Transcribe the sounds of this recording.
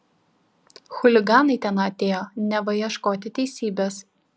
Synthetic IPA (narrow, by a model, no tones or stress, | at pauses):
xʊlʲɪɡɑːnɐɪt̪ʲɛnɐɐt̪ʲeːjoːnʲɛʋɐjiɛʃkoːt̪ʲɪt̪ʲɛɪsʲiːbʲes